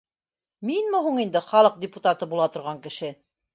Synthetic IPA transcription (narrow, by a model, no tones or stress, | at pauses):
minmɘ̆ɦuɴind̪ɘχɑlˠɤq̚dʲɪput̪at̪ɤbulˠɑt̪ŏɾʁɑŋkɘ̆ʃɘ